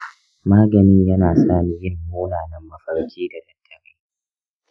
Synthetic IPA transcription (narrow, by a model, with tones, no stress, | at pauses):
maː˦ɡɐ˨nɪ˦ɲjɐ˦naː˨saː˦˨miː˦jɪ˦˨mːoː˦naː˨nɐ˦mːɐ˦ɸɐ˨ɽt͡ʃʲiː˦da˨dɐ˨tʰːɐ˨ɾeː˦